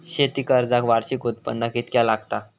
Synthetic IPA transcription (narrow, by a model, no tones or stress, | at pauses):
ɕet̪ikəɾd͡zakʋaɽɕikot̪̚pə̰nd̪akit̪kjalaɡt̪a